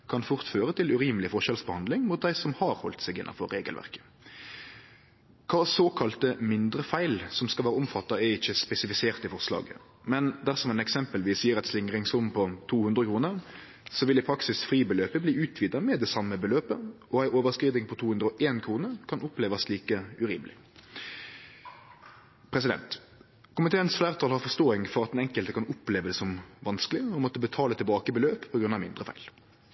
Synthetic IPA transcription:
kʰɑnfʊʁt̪føːʁət̪ʰɪlʉɾiːməlɪfɔʁʃɛlsbəhɑnd̪lɪŋmʊt̪̚d̪æɪsɔmhɑɾhɔ̰lt̪sæɡɪnːɑ̰nfɔɾːeːɡə̰lʋæ̰ʁkə̥ | kʰɑːsoːkʰɑlt̪əmɪnd̪ɾəfæɪlsɔmskɑʋæːɾəʊmfɑt̪ːɑɛɪçːəspɛsɪfɪseːʁt̪ɪfɔʁslɑ̰ːɡə̰ | mɛnd̪æʁsɔmænɛksɛmpəlʋiːsjiːəʁɛt̪slɪŋʁɪŋsʊmpʰɔt̪ʰuːhʉnd̪ʁəkʰɾuːnəʁ | sɔʋɪlɪpʰɾɑksɪsfɾiːbəløːpəbliːʉːt̪ʰʋiːd̪ɑmɛd̪ɛsɑmːəbəløːpə | ɔæɪʔoːʋəʁskɾiːd̪ɪŋpʰɔt̪ʰuːhʉnd̪ɾəɔʔeːnkʰɾuːnəʁkʰɑnʔʊpleːʋɑsliːkəʉɾḭːmlɪ̰ | pʰɾɛs̬ɪd̪ɛ̰nt̪ | kʊmɪt̪ʰeːənsflæːʁt̪ʰɑlhɑʁfɔʁst̪oːɪŋfɔɾɑt̪ɛnɛŋkəlt̪əkʰɑnʊpleːʋəd̪ɛsɔmʋɑnskəlɪɔmɔt̪ːəbət̪ʰɑːlət̪ʰɪlbɑːkəbəløːppʰɔɡɾʉnːɑʋmɪ̰nd̪ʁəfæ̰ɪl

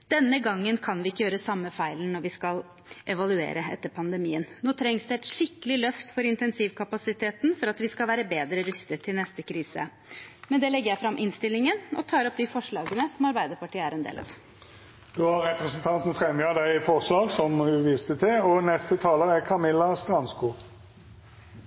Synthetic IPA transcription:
d̪̥ɛnːəɡɑŋːənkʰɑnʋɪɪkːəjøːɾəsɑmːəfæɪlnɔɾʋɪskɑl | ʔɛʋɑlʉḛːɾəɛ̰t̪ːəɾpʰɑnd̪əmiːənnoːt̪ʰɾɛŋsd̪ʉɛɪt̪ʂɪkːəlɪlœft̪fɔɾɪnt̪ɛnsiːʋkʰɑpɑsɪt̪ʰeːt̪n̩fɔɾɑt̪ʋɪskɑlʋæːɾəbeːd̪ɾəɾʏst̪ət̪ʰːɪlnɛst̪əkʰɾiːsə̰ | mɛnd̪ɛlɛɡəɾjæɪfɾɑmːʔɪnst̪ɪlːɪŋənɔ̰t̪ʰɑːɾɔp̚d̪ɪfɔʂɭɑːɡənəsɔmɑɾbæɪd̪əɾpɑʈʰiːəæɾɛnd̪ḛːlɑ̰ʋ | d̪̥ʉhɑɾʁɛpʁəsnt̪ʰɑnt̪n̩fʁɛmjœd̪æɪfɔʁʂlɑːɡsɔmhʉʋiːst̪ət̪ʰɪɔnɛst̪ət̪ʰɑːləʁækʰɑmɪlːɑst̪ʁɑnskuː

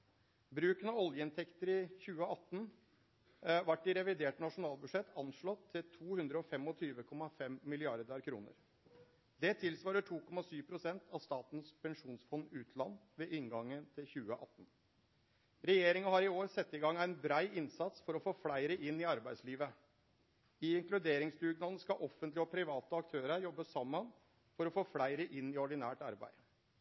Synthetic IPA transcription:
bɾʉːkənɑɔljəɪnt̪ʰɛkt̪əɾɪçʉːəɑt̪ːn̩ | ʋɑʈːɪɾɛʋɪd̪eːʈnɑʂʊnɑːlbʉʂɛt̪ʰɑnʂɭɔt̪ʰːɪlt̪ʰuːhʉnd̪ɾəɔfɛmɔt̪ʰyːʋəkʰɔmːɑfɛmːɪlɪɑɖd̪ɑɾkʰɾṵːnə̰ɾ | d̪ɛt̪ʰɪlsʋɑːɾəʈʰuːkɔmːɑsyːʋpʰɾʊsɛnt̪ʰɑʋst̪ɑːt̪nspʰɛŋʂuːnsfɔnːʉːt̪ʰlɑnːʋeʔɪŋɡɑŋːənt̪ʰɪlçʉːəʔɑt̪ːn̩ | ɾɛjeːɾɪŋɑhɑɾɪoːɾsɛt̪ːɪɡɑŋːæɪnbɾæɪɪnsɑt̪sfɔɾɔfoːflæɪɾəʔɪnːɪɑɾbæɪsliːʋə | ɪɪŋklʉd̪eːɾɪŋsd̪ʉɡnɑln̩skɑʔɔfːənt̪ləɔpʰɾɪʋɑːt̪əɑk̚t̪ʰøːɾəɾjɔbːəsɑmːən | fɔɾɔfoːflæɪɾəʔɪnːɪɔɖɪnæːʈɑɾbæ̰ɪd̪

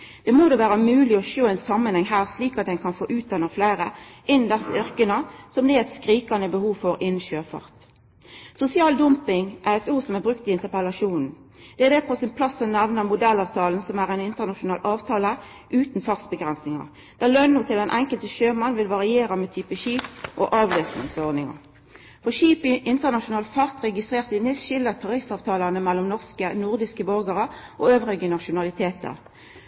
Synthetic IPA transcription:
d̪̥ɛmoːd̪oːʋæːʁəmʉːlɪɔʃoːɛɪnsɑmːənhɛŋɦæːʁsliːkɑt̪̚d̪ɛnkʰɑnfoːʔʉːt̪̚d̪ɛnːəʁflæɪʁəʔɪnnd̪ɛsːəʏʁkənəsɔmd̪ɛːɛt̪skʁiːkɑnəbəhuːʋfɔɾɪnːn̩ʃøːfɑ̰ʁt̪ | sʊsɪɑːld̪ʊmpɪŋʔæʁɛt̪uːʁsɔmæʁbʁʉkt̪ɪɪnt̪əʁpɛlɑʃuːnn̩ | d̪̥ɛæʁd̪ɛːpʰɔsɪnpʰlɑsːɔnæʋnəʁmʊd̪ɛlːɑːʋt̪ʰɑːln̩sɔmæʁɛɪnɪnt̪əʁnɑʃʊnɑːlʔɑːʋt̪ʰɑːlə | ʔʉːt̪n̩fɑʁsbəɡʁɛnsnɪŋɑ̰ʁ | d̪̥ælœnːʊːt̪ʰɪlɛnʔɛŋkəlt̪əʃøːmɑnʋɪlʋɑʁɪeːʁɑmɛt̪ʰyːpəʃiːpʔo̰ʔɑːʋløːsnɪ̰ŋsɔʁd̪nɪŋɑ̰ʁ | fɔʃiːpɪʔɪnt̪əʁnɑʃʊnɑːlt̪fɑʁt̪ʁɛɡɪst̪ʁeːʁt̪ɪnɪsʃɪlət̪ʰɑʁɪfɑːʋt̪ʰɑːlɑnəmɛlːɔmnɔʁskənʊʁd̪ɪskəbɔʁɡəʁəʔoːøːʋʁɪɡənɑʃʊnɑlɪt̪ʰeːt̪ə̰ʁ

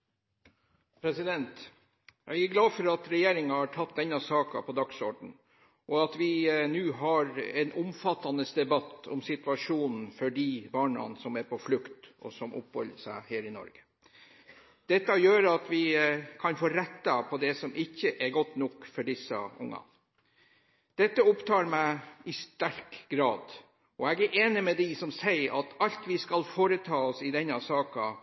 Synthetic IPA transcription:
pʰɾɛsɪd̪ɛnt̪ | jæ̰ɪɡæɾɡlɑːfɔɾɑt̪ɾɛjeːɾɪŋɑhɑʈʰɑt̪̚d̪ɛnːɑsɑːkɑ̰pʰɔd̪ɑɡsɔɖɳ̩ | ʔɔɑt̪ʋɪnʉːɦɑɾɛnʔʊmfɑt̪ːɑnəsd̪ɛbɑt̪ːɔ̰msɪt̪ʉɑʂuːnn̩fɔɖiːbɑːɳɑ̰nsɔmæɾpʰɔflʉkt̪ɔ̰sɔmʔʊ̰phɔ̰ləsæɪheːɾɪnɔ̰ɾɡə̥ | d̪̥ɛt̪ːɑjøːɾɑt̪ʋɪkʰɑnfoːɾɛt̪ːɑpʰɔd̪ɛsɔmʔɪçːəʔɛɾɡɔt̪ːnɔkfɔɖɪsːə̰ʊ̰ŋːɑ̰ | d̪̥ɛt̪ːəʊpt̪ʰɑːɾmæɪɪst̪æɾkɡɾɑːd̪ | ɔɛɡæɾʔeːnɪmɛd̪isɔmsæɪɾʔɑt̪ɑlt̪ʋɪskɑlfoːɾət̪ʰɑːɔsɪd̪ɛnːɑsɑːkɑ

